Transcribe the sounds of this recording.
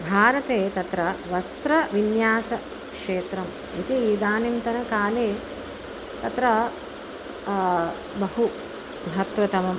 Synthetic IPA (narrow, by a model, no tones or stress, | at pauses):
bʱaːɾɐt̪eːt̪ɐt̪ɾɐʋɐst̪ɾɐʋinjaːsɐ | kʂeːt̪ɾɐm | ik̪eiːd̪aːnint̪ɐnɐkaːleː | t̪ɐt̪ɾɐ | bɐhu | bʱɐt̪ʋɐt̪ɐmɐm